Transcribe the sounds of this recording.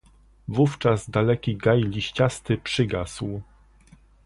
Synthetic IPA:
vuft͡ʂazd̪alɛkʲiɡajlʲiɕt͡ɕast̪ɘpʂɘɡasw

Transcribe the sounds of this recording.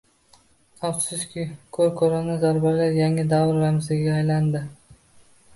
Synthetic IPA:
afsɪskʲɪkʰɵɾkʰoɾanazaɾbalaɾjaŋɪd̪avɾːamzɪɡʲɪɡʲaːjland̪ɪ

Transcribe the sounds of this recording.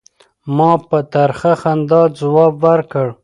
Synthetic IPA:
mɑpət̪aɾxaxand̪ɑzawɑbwaɾkəɽ

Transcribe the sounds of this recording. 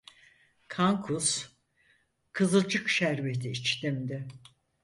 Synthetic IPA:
kʰaŋkʰus | kʰɯzɯd͡ʒɯkʃæɾbet̪ʰiːt͡ʃt̪imd̪ɪ

